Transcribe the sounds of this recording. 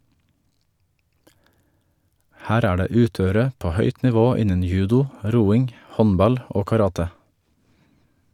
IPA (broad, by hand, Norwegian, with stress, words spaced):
ˈhæːɾ ˈæː ˈɖeː ˈʉːˌtøːəɾə ˈpoː ˈhœʏt nɪˈʋoː ˈɪnən ˈjʉːdʊ ˈɾuːɪŋ ˈhɔnˌbɑl ˈoː kɑˈɾɑːtə